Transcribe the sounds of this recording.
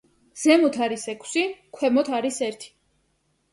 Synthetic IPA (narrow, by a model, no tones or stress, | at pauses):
z̥ɛmɔt̪ʰaɾisɛkʰsikʰwɛmɔt̪ʰaɾisɛɾt̪ʰi̥